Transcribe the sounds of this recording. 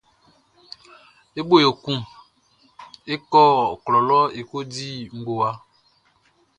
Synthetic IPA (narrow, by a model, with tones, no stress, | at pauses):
e˦ɓo˦jo˨kũ˦m | e˦kɔ˦˨klɔ˨lɔ˦e˨ko˦di˦ŋ̩˦ɡo˨wa˦